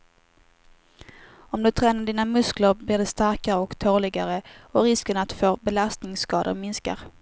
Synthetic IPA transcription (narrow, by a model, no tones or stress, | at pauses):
ɔmd̪ɵt̪ʰɾɛːnaɖiːnamɵskləɾbliːɖɛst̪aɾkaɾəɔkt̪ʰoːɭɪɡaɾəɔɾɪskənat̪d̪foːɾbɛlast̪nɪŋskɑːd̪ə̰ɾmɪnska̰ɾ